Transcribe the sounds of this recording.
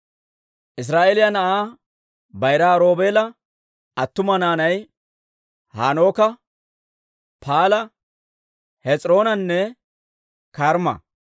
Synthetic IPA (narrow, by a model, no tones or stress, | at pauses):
ʔɪs̬ɾaːʔeːlɪjɐnɐʔaː | bɐjɾaːɾo̞ːbeːlɐ | ɐt̪ːʊmɐnaːnɐj | ha̰ːnoːkɐ | pʰaːlɐ | hɛt͡sʼɾo̞ːnɐnːɛ | kaɾmɐ̰